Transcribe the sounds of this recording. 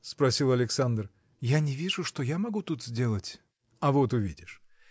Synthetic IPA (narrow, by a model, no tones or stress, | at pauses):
spɾɐsʲilˠɐlʲɪksand̪r | janʲɪvʲiʐʊʂt̪o̞jamɐɡut̪ut̪zʲdʲe̞lˠətʲ | ɐvo̞t̪ʊvʲidʲɪʂ